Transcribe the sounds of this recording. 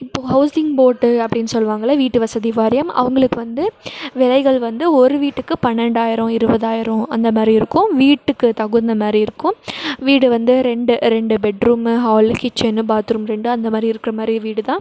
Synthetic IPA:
ɪpːoːɦɐʊsɪŋɡboːʈːɯɐpːɐɽɪnːɯsɔlːʋaːŋɡɐɭɐʋiːʈːɯʋɐsɐðiʋaːɾɪjɐmɐ̰ʋɐŋɡɐɭɯkːɯʋɐnd̪ɯʋɪlɐɪɣɐɭʋɐnd̪ɯɔɾɯʋiːʈːɯkːɯpɐnːɛɳɖaːjɪɾɔ̃ɪɾɯbɐðaːjɪɾɔ̃ɐnd̪ɐmaːd̪ɾiɪɾɯkːʊ̃ʋiːʈːɯkːɯt̪ɐɣɯnd̪ɐmaːd̪ɾiɪɾɯkːʊ̃ʋiːɽɯʋɐnd̪ɯɾɛɳɖɯɾɛɳɖɯbɛɖɾuːmɦaːlkɪt͡ʃːɛnːɯbaːɾt̪ɯɾɯmɾɛɳɖɯɐnd̪ɐmaːd̪ɾiɪɾɯkːɪɾɐmaːd̪ɾiʋiːɽɯt̪ãː

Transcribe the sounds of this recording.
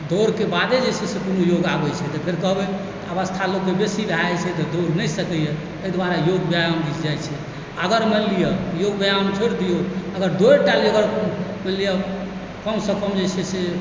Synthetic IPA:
d̪ʱoɾkebad̪ed͡ʒɛsɛsekonojoɡabɛt͡ʃʰɛt̪ɔpʰeɾkəɦbet̪əbəst̪ʰalokːebesibʱajt͡ʃʰɛt̪ɔd̪ʱoɾnəsəkəje | əjd̪ʋaɾajoɡ̚bjajamd̪it͡ʃd͡ʒajt͡ʃʰɛ | əɡəɾməlijəjoɡbjajamt͡ʃʰoɾd̪ijoəɡəɾd̪oeʈaljəɡəɾməlijə | kəmsə̃kəmd͡ʒesʰɛse

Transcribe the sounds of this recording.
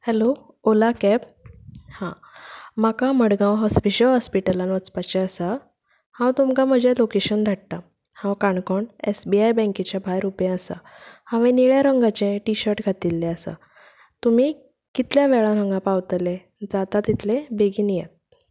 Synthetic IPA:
hɛlo | olakɛphã | makaməɽɡãwɦɔspiɕəlɦɔspiʈəlanʋət͡spat͡ɕɛəsa | hãwt̪umkam̤əd͡ʑʱelokeɕənd̪ʱaʈ̚t̪a | hãwkaɳkɔɳḛsbiajbɛ̃ŋkit͡ɕjabʱajɾupjẽəsa̰ | hãʋẽniɭjaɾəŋɡat͡ɕẽʈiɕəɾʈɡʱat̪ilːɛ̃əsa̰ | t̪um̤i | kit̪ljaʋɛɭãɾəŋɡãpawt̪le | d͡zat̪at̪it̪ʰlebeɡiːnijet̪̚

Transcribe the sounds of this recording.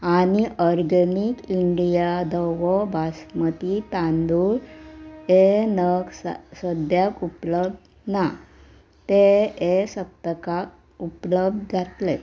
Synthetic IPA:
aɽ̃iʔɔɾɡənikiɳɖijad̪əʋɔbʱasmət̪it̪ãnd̪ul | enəɡssəd̪jakupləb̚d̪ | na | t̪eesət̪ːkak | upləb̚d̪̚ʱd͡zʱat̪le

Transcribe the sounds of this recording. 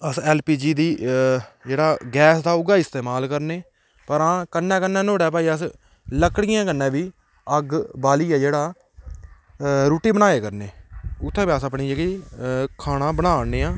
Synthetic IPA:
əsɛːlpiːd͡ʒiːd̪iː | d͡ʒeːɽaːɡɛːsd̪aːʊɡaːɪst̪eːmaːlkəɾneː | pəɾãːkənːɛ̃ːkənːɛ̃ːnoːɽɛːp̬aːiːəs | ləkɽɪjãːkənːẽːʋiː | əɡbaːliːɛːd͡ʒeːɽaː | ɾuːʈiːbənaːeːkəɾneːʊt̪ʰːẽːbiaːsəpɳiːd͡ʒeːɡikʰaːɽ̃ãːbəɽaːneːãː

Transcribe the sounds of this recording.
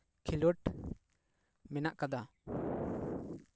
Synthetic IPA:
kʰiluʈ | mɛnaʔkad̪a

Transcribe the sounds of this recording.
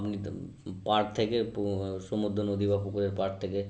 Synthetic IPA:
pni | paɾt̪ʰekepʃomud̪ʱːonod̪ʱibakokoɾeɾpaɾt̪ʰeke

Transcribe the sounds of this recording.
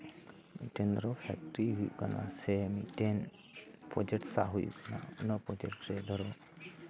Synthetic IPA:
miʈend̪ɔɾɔpʰɛ̰k̚ʈɾiɦujukana̰semiʈen | pɔd͡ʒeʈsa̰ɦujṵkana̰unɔpɔd͡ʒeʈɾed̪ɔɾɔ

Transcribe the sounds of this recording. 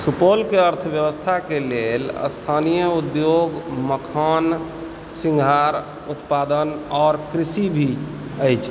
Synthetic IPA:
supolkeəɾt̪ʰəbjəbəst̪ʰakelelə̰st̪ʰanijəud̪joɡməkʰan | sĩŋɡʱaɾ | ut̪pad̪ənɔːɾkɾisibʱiəjt͡ʃʰ

